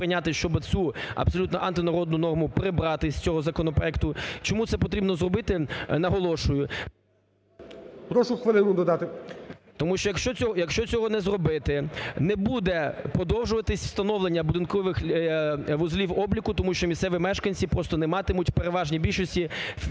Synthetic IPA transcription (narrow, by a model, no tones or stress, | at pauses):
pɾɪnʲat̪ɪʃt͡ʃɔbɪt͡sʲuɐ̰bsɔlʲut̪nɔʔɐnt̪ɪnɐɾɔd̪̚nʊnɔrmʊpɾɪbɾɑt̪ɪsʲt͡sʲɔɦɔzɐkɔnɔpɾɔ̰ɛkt̪ʊt͡ʃɔmut̪sɛpɔt̪ɾʲibnɔzrɔbɪt̪ɪnɐɦɔlˠɔʃʊjʊ | pɾɔʃʊxʋɪlˠɪnʊd̪ɔd̪ɑt̪ɪt̪ɔmuʃt͡ʃɔjɐkʃt͡ʃɔt͡sʲɔɦɔjɐkʃt͡ʃɔt͡sʲɔɦɔnɛzrɔbɪt̪ɪnɛbud̪ɛpɔd̪ɔwʒʊʋɐt̪ɪsʲwst̪ɐnɔwlˠenʲːɐbʊd̪ɪnkɔʋɪx | ʋʊzlʲiwɔblʲikʊt̪ɔmuʃt͡ʃɔmʲisɛʋʲimɛʃkɐnʲt͡sʲipɾɔst̪ɔnɛmɑt̪ɪmutʲpeɾeʋɑʒnʲibʲilʲʃɔsʲtʲi